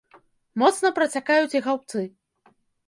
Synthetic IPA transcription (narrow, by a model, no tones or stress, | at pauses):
mɔt̪snɐpɾɐt͡sʲakajut͡sʲjiɣawp̚t̪sɨ